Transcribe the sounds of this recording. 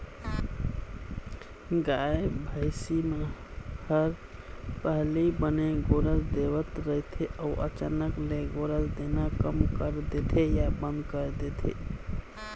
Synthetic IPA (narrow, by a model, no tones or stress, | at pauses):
ɡaebʱəɪsimehəɾ | pəɦlibəneɡoɾəsd̪ebət̪ɾəɦit̪ʰeʔauʔə̰t͡ʃa̰nəkleɡoɾəsd̪enakəmkəɾd̪et̪ʰejabə̃nd̪kəɾd̪et̪ʰḛ